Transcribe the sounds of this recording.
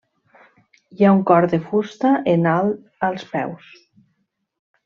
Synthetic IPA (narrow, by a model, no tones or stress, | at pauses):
jauŋkɔɾðefust̪aʔenalˠ | əlˠspɛ̰ws